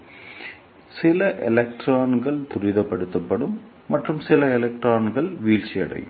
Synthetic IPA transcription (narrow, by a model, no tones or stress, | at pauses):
sɪlɐʔɛlɛk̚ʈraːnɡɐɭt̪ʊɾɪðɐpːɐɽɯt̪ːɐpːɐɽɯmː | ɐʈrɯmsɪlɐɛlɛk̚ʈraːnɡɐɭʋiːlt͡ʃːɪjɐ̰ɽɐ̰jɯ̰mm